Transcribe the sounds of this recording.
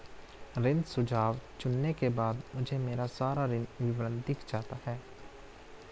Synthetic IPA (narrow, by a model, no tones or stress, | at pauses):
ɾɪnsʊd͡ʒʱaːʋt͡ʃʊnːekebaːd̪mʊd͡ʒʱemeːɾasaːɾaɾɪnʋɪʋɾə̃nd̪d̪ɪkʰd͡ʒaːt̪aɦɛː